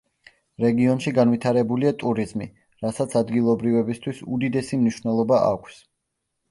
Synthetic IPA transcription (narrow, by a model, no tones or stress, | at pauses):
ɾɛɡiɔnʃiɡanvit̪ʰaɾɛbuliat̪ʼuɾizmḭ | ɾasat̪sʰad̪ɡilˠɔbɾivɛbist̪ʰwisud̪id̪ɛsimniʃvnɛlˠɔbaʔa̰kʷʰs